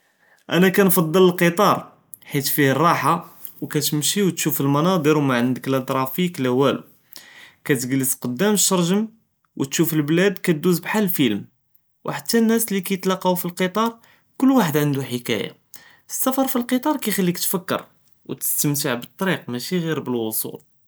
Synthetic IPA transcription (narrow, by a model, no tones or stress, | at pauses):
ʔænækænfɑd̪ˤːələlqət̪ˤɑɾˤ | ħit̪fihərˤːɑħa | wkæt̪əmʃiwt̪ʃufəlmɑnɑd̪ˤəɾwmaʕənd̪əklʔət̪ˤɾˤɑfiklæwælṵ | kæt̪ɡləsqəd̪ːæmʃɑɾˤʒəm | wʔət̪ʃufəlblæd̪kæt̪̚d̪uzbħalfilm | wħat̪ːænːæslikæjət̪lɑqɑwfilqət̪ˤɑɾˤ | kʊlːwaħəd̪ʕənd̪uħəkæ̰ja̰ | əsːæfɑɾˤfilqət̪ˤɑɾˤkæjxælːikt̪fəkːə̰ɾ | wt̪ə̥st̪əmt̪əʕbət̪ˤːɑɾiqmæʃiɣiɾbəlwosˤṵl